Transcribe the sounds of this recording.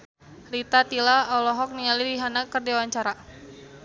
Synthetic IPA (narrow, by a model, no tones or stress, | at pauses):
rit̪at̪ilaɔlɔɦɔk̚niŋalidiɦanakərdiwaɲt͡ʃaɾa